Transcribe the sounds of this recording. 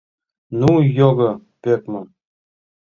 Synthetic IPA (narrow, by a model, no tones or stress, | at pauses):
nujoɡɤ̆pek̚mɤ̆